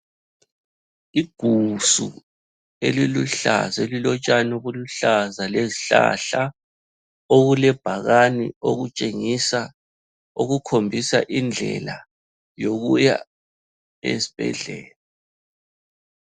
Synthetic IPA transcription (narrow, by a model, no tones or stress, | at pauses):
iɡ̥ʱusṵ | eliluɬa̰zelilɔt͡ʃʼanoβuluɬazaleziɬa̰ɬa | oɣulɛb̥ʱaɣanio̰ɣut͡ʃʼeŋisa | uɣukʰombʱisaʔind͡ɮʱɛ̰la | joɣuja̰ | ḛsi̥b̥ʱɛ̰ɮɛːla